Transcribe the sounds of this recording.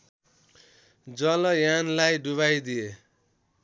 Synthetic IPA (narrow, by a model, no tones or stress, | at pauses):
d͡zʌlʌjanlajɖuβajd̪ie